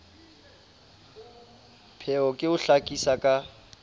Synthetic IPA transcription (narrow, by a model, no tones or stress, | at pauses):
pʰɛɔkʼɪʊɬakʼisakʼa